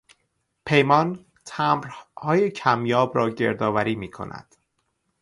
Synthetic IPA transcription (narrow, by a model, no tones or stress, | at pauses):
pʰe̞jmɒːn | t̪ʰæmɾhɒːje̞cʰæmjɒːbɾɒːɟe̞̰ɾd̪ɒːvæɾiːmiːkʰo̞̰næ̰d̪̥